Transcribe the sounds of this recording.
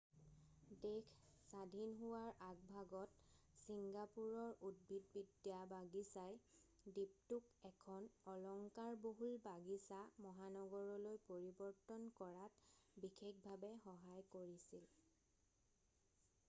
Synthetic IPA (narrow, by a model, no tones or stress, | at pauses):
dekʰsadʱinɦuwaɹʔaɡ̚bʱaɡɔt̚siŋɡapuɹɔɹud̚bʱit̚bidjabaɡisaj | dip̚tukɛkʰɔnɔlɔŋkaɹboɦulbaɡisamɔɦanɔɡɔɹɔlojpoɹibɔɹtɔnkɔɹatbixekbʱabɛxɔɦajkoɹisil